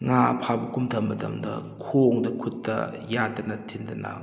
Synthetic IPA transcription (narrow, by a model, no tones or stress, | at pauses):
ŋapʰabɐkumdʰɐmːɐdɐ̰mdɐ̰kʰoŋdɐkʰutːɐ̰ | jadɐnɐtʰindɐna̰